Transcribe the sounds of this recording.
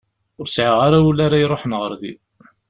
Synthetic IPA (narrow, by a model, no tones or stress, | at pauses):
ʊɾsʕəʁaɾaulːaɾajɾˤoħənʁəɾðḭl